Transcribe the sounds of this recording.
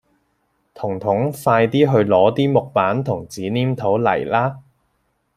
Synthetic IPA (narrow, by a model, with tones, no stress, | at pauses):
t̪ʰʊ˨˩ŋt̪ʰʊ˨˥ŋfaː˧jt̪iː˥ɦɵ˧ɥlɔː˨˧˥t̪iː˥mʊ˨k̚paː˨˥nt̪ʰʊ˨˩ŋt͡siː˨˥niː˥mt̪ʰo˨˥wlɐ̰˨˩jlaː˥